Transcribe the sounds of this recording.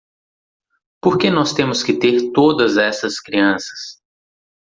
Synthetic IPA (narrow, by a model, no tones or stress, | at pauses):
poɾkenɔst̪ẽmʊskɪt̪eɾt̪od̪ɐzɛsɐskɾiɐ̃sɐ̥s